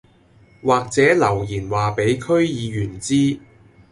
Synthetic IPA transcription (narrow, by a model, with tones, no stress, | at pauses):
waː˨k̚t͡sɛː˨˥lɐ˨˩wjiː˨˩nwaː˨˩pe˨˥jkʰɵ˥ɥjiː˨˧jyː˨˩nt͡siː˥